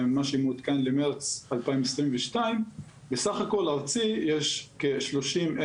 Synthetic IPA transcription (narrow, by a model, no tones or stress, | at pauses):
maʃemud̪kanlemeʁt͡salpaimesʁimveʃtaim | besaχako̞laʁt͡sijeʃkeʃlo̞ʃime